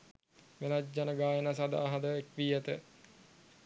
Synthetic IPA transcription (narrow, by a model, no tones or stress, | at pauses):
melad͡ʒanəɡaːjənas̬ad̪a̰ːɦad̪əekʋiːɛt̪ə